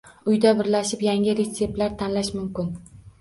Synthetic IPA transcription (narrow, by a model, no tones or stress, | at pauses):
ʊjd̪abɪɾlaʃɪpjaŋʲɪɾet̪se̞p̚t̪laɾt̪ʰanlaʃmʊmkʲɪn